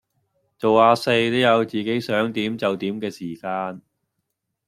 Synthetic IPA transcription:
t͡so˨waː˧se˧jt̪o˨˥wjɐ˨˧wt͡siː˨˩ke˨˥jsœː˨˥ŋt̪iː˨˥mt͡sɐ˨wt̪iː˨˥mkɛː˧siː˨˩kaː˧n

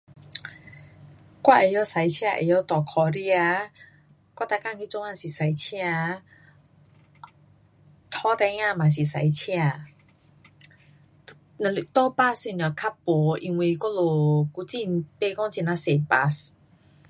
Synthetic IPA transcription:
kʷwa˥˩ʔe˨˧˦jɔ˧sa˨˦jt͡ɕʰja˧ʔḛ˨˧˦jɔ˧˩t̪ɔ˨˩kʰɔ˧ɾi˧a˧ | kwa˥˩t̪a˧ka˥˨ŋkʰi˧˥˦t͡so˧˦ŋa˧˨si˨˩sa˨˧˦jt͡ɕʰĩ˧a˧ | t̪ʰɔ˧˦t̪ɛ˧˦ŋa˧mã˨˩s̬i˨˩sa˨˦jt͡ɕʰĩ˧a˧˩˧ | lt̪ɔ˧˦pa˧si˧˩na˨˩kʰa˦˥pːo˨˦ʔi˧ŋwi˧kɔ˥lo˨ku˧˦t͡si˥˧˩npe˧kɔ˥˦ŋt͡ɕi˧˩na˧se˨˩pa˧s

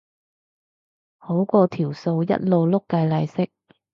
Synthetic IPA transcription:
ho˨˥wkɔː˧t̪ʰiː˨˩wso˧wjɐ̰˥t̚lo˨˧wlʊ˥kːɐ˧jlɐ˧jsɪ˥k̚

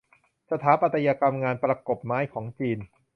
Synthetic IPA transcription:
sa˧t̪ʰaː˩˦˥pa˨˩t̪ʰːa˧jaː˧ka˧mŋaː˧npɾa˧ko˨˩p̚maː˦˥jkʰɔː˩˦ŋt͡ɕiː˧n

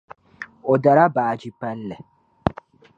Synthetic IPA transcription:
ɔ˨d̪a˨ɾa˦baː˨d͡ʒi˨˦pːɐ˦lːɛ˨

